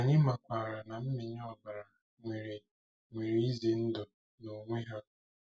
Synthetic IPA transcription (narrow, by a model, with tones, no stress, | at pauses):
a˨ɲɪ˦ma˨kʷaː˨ɾa˨na˨m̩˦mi˨ɲ˦ɔ˨ba˨ɾa˨ | ŋʷe˨ɾe˨ | ŋʷe˨ɾi˨˦i˦zi˨n̩˦dʊ˨ | no˨ŋʷe˦ɦa˦